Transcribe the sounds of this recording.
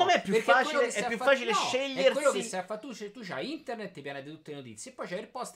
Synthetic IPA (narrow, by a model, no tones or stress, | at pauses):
omeɛpːjupekːakt͡ʃiloeesɛaapːjuffaːt͡ʃileʃeʎːerkwelːokeissːaafːat̪ːut͡ʃet̪ːut͡ʃaint̪ernet̪ːepjanat̪eit̪ut̪ːelenot̪ḭt̪sjepːɔjt͡ʃajɾpɔst̪